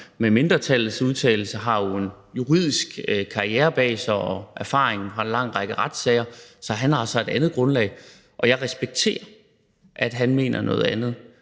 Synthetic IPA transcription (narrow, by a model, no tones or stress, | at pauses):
meme̝nd̥ʁɐt͡sʰælð̩ˠsuð̞ˠt͡sʰɛ̰ːɪl̩səɦɑ̈jo̝e̝n | juʁið̞̰ˠisɡ̥kʰɑ̈ieːɐb̥ɛ̰ːsɐɒ̽ʔæɐfɑ̰̈ːʁeŋn̩fʁɑ̈e̝nlɑ̈ŋ̰ʁɑ̈ɡ̥əʁɑ̈d̥sɛɪɐsɒ̽ɦænhɑ̈sɒ̽e̝d̥ænð̞̩ˠɡ̥ʁɔ̽nlɛ̰ɪ | ʔɒ̽jɑ̈ɪʁɛsb̥eɡ̥̚t͡sʰe̝̰ːɐ | ʔæd̥ɦænme̝̰ːnʔɐnɔ̽ːð̩ˠænð̞̩ˠ